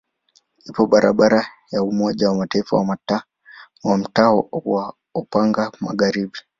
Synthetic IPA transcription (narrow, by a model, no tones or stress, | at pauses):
ipɔɓaɾaɓaɾa | jaumɔʄawamataifa̰wa | wam̩taɔwa | ɔpaŋɡamaɠaɾiɓi